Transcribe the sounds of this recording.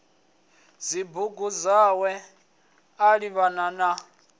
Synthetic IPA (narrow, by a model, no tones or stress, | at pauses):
zibuɡuzawɛ | aɺiβanana